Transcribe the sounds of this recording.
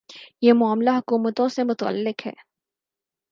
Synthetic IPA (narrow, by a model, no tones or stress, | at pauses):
jeːmʊaːmlaɦʊkuːmət̪õsemʊt̪ə̰lːɪqɦɛ̰ː